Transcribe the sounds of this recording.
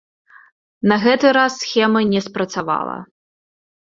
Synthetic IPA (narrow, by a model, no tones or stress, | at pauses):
nɐɣɛt̪ɨɾasːxʲɛmɐnʲɛspɾɐt̪sava̰lˠɐ̰